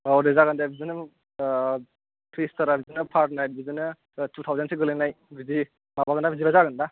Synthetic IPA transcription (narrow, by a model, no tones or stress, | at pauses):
adezaɡɯndabʱizinɯ | tʰɾistaɾabʱizinɯpʰaɾt̚najt̚bizinɯ | tut̪ʰawzansiɡɯlenajbizi | mabaɡɯndabʱizibazaɡɯnda